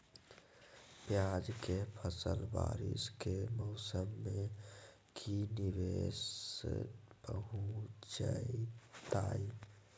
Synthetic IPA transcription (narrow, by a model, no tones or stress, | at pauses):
pjaːd͡ʒkepʰəsəlba̰ːɾɪ̰skemɔʊsəmːẽ | kʰinɪʋest̪pəɦut͡ʃait̪aːi